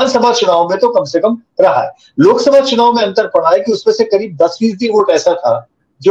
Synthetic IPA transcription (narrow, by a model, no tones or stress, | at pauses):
nsɐbʱat͡ʃʊnaːʋõmẽt̪okɐmsekɐmɾɐɦa̰ɦɛː | loːksɐbʱat͡ʃʊnaːʋõmẽɐ̃nt̪əɾpɐɽ̤aːekiʊsmẽsekɐɾiːb̚d̪ɐsʋiːzd̪iʋoːʈɛːsat̪ʰaː | d͡ʒo